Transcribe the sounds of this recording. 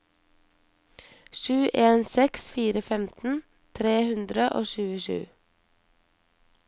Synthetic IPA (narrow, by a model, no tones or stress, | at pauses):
ʃʉːʔeːnsɛksfiːɾəfɛmt̪n̩ | t̪ʰɾeːhʉnd̪ɾəʔo̰ːʃʉːəʃʉ̰ː